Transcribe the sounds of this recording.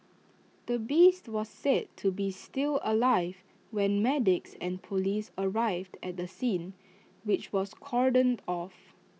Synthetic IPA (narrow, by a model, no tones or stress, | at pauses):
d̥əbistwɔsːed̚tʰːubistiləlaɪv | wɛ̃nmɛdɪksɛ̃npʰolisəɹaɪvdɛt̚dəsĩn | wɪt͡ʃwɔskʰɔɹdə̃ndɔf